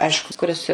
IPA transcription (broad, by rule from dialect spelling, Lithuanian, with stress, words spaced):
ˈɐɪʃkʊ kʊˈrʲɪs